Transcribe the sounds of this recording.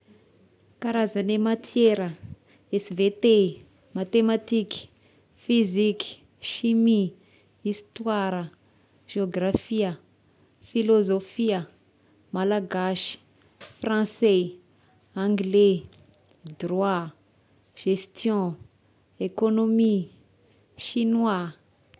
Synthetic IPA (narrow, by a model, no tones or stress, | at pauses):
kaɾazanemat̪ʰjeɾə | esvet̪e | mat̪emat̪iki̥ | fiziki̥ | ʃimi | ist̪waɾə | ʒ̥eoɡrafiə | filozofiə | malaɡaʃi̥ | frɑ̃sɛ | ãŋɡle | d̪rwa | ʒ̥est̪jɔ̃ | ekonomi | ʃinwa